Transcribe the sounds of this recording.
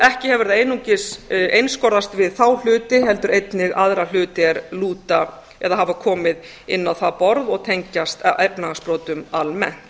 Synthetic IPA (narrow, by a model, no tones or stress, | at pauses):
ɛhcɪhɛvɛɾðaejnuɲcɪsejnskɔɾðast̪vɪðθawl̥ʏːt̪ɪɦɛlt̪ʏɾejt̪nɪɣaðɾal̥ʏːt̪ɪɛɾluːt̪a | ɛðaɦavakʰɔːmɪð | ɪnːawθapɔɾðɔɣt̪ʰejɲcast̪ʔɛpnaaspɾoːwt̪ʏmalmɛ̰n̥t̪